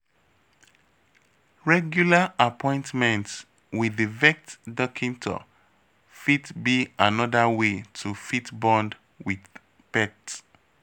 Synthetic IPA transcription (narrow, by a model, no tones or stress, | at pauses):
ɹɛɡjulaapʰɔ̃ɪ̃ntmɛ̃nt | wiðivɛk̚tdɔkʰĩntʰɔ̰ | fitbianɔdawetʰufitbɔ̃nd | wið | pɛt